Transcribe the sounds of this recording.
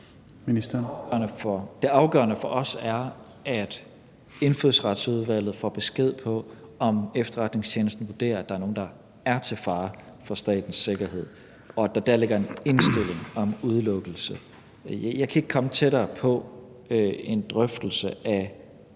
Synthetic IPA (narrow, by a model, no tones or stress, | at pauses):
mi̥ɐnəfɒd̥e̝ɑ̈ʊɡ̥ɶ̰ɐnəfɒ̽ʔɒ̽sæɐ | æd̥ | e̝nføðˠsʁɑd̥suð̞̩ˠʋæl̰ð̩ˠfɒ̰ːb̥e̝sɡ̥e̝ð̞̰ˠpʰɒ̽ɒ̽mefd̥ɐʁad̥ne̝ŋst͡ɕʰeːnəsd̥n̩ʋuɐd̥e̝̰ːɐæd̥ɑ̈æɐno̝ːn̩d̥ɑ̈ | æɐt͡sʰe̝lfɑ̈ː | fɒ̽sd̥ɛ̰ːd̥n̩sːe̝ɡ̥ɐɦe̝ð̞̰ˠ | ɒ̽æd̥ɑ̈d̥æɐle̝ɡ̥ɐe̝ne̝nsd̥e̝le̝ŋɒ̽muð̞ˠlɔ̽ɡ̥l̩sə | jɑ̈ɪkʰæe̝ɡ̥kʰɒ̽mət͡sʰeɾ̥ɐːpʰɒ̽ | e̝nd̥ʁœfd̥l̩səʔæ